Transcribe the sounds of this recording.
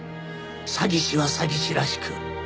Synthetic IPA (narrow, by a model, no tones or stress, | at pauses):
saɡʲiɕiβasaɡʲiɕiɾaɕi̥kʰɯ